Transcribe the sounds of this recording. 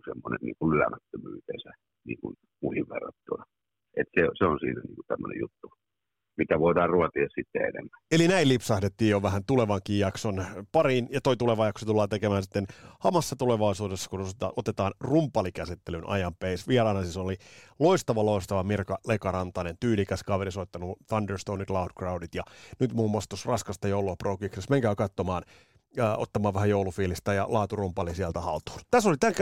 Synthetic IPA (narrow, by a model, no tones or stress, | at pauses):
semːonḛnnḭːŋkullylæ̰mæt̪ːømyːt̪ḛːsæ | nḭːŋkṵn | muhiʋʋḛrːɑt̪ːunɑ | et̪seseonsḭːnænḭːŋkut̪æmːønḛjṵt̪ːu | mit̪æʋoidɑːrruɑt̪iɑssit̪ːḛḛnḛmːæelinæilipsɑhdet̪ːiːjjoʋæhænt̪uleʋɑŋkiːjjɑksonpɑrinjɑt̪oit̪uleʋɑjɑksot̪ulːɑːt̪ekemæːnsi̥t̪ːenhɑmɑsːɑt̪uleʋɑisuːdesːɑ̥kunost̪ɑʔot̪et̪ɑːnrumpɑlikæsit̪ːelynʔɑ̰jɑmpeisʋieɾɑːnɑsisoliloist̪ɑʋɑloist̪ɑʋɑmirkɑlekɑɾɑnt̪ɑnent̪yːlikæskɑʋerisot̪ːɑnuθɑnderst̪ounit̪lɑudkrɑudit̪jɑnyt̪muːmːɑst̪osrɑskɑst̪ɑjouluɑprokiksesmeŋkæːkɑt̪ːomɑːnː | o̰t̪ːɑmɑːʋʋæhæjoulufiːlist̪æjɑ̰lɑːt̪urumpɑlisiælt̪æhɑlt̪u̥ːnt̪æsolit̪æŋk